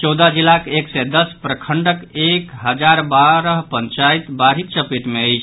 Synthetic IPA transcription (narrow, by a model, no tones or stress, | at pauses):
t͡ʃɔwd̪ad͡ʒilːakeksɛd̪əspɾəkʰəɳɖəkekɦəd͡ʒaɾbaɾəɦpənt͡ʃait̪baɾit̪̚t͡ʃəpiʈmeəjt͡ʃʰ